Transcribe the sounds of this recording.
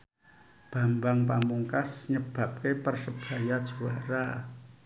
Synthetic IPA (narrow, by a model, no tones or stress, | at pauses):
b̥a̤mbaŋpamuŋkasɲəb̥a̤p̚kepərsəb̥a̤jad̥ʒ̥uwaɾa